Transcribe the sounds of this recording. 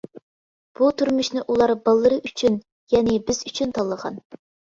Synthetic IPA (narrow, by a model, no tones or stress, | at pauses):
b̥ut̪ʰuɾmuʃnɪʔulˠɑɾbɑlˠːəɾɨʔyt͡ʃʰyn | jɛnɪbɪzyt͡ʃʰynt̪ʰɑlˠːəʁɑ̰n